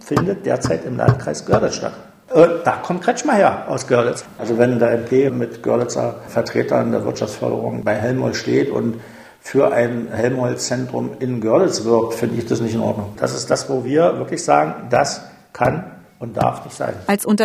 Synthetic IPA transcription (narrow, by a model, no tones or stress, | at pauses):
fɪndət̚d̥ḛːɐt͡saɪtɪmlʔa̰ntkʁ̥aɪsɡ̥œɐdət͡sʃta̰t | ʔɛd̥aːkʰɔmt̚kʰʁ̥ɛt͡ʃmaheːɐʔaʊsɡ̥œɐdət͡sʔalzovɛndeɐɛmpʰeːmɪtɡ̥œɐdət͡sɐ̰fɛɐtʁ̥eːtɐ̰ndeːɐvɪɐtʃaft͡sfœ̰ɐdə̰ʁʊŋbaɪɦɛlmhɔ̰lʃteːtʊ̰nt | fyːɐʔaɪnhɛlmhɔlt͡sɛntʁ̥ʊ̰mɪnɡœɐdət͡sv̥ɪɐk̚tfɪndəɪçd̥asnɪçtɪnʔɔ̰ɐdnʊŋd̥asɪstd̥asv̥oːviːɐvɪɐklɪçz̥aːɡŋ̩das | kʰan | ʊnt̚d̥a̰ɐfnɪçtz̥a̰ɪnalsʊntɐ